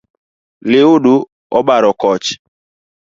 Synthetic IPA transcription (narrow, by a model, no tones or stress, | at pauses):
lɪoɗu | ɔɓaɾɔkɔt͡ʃ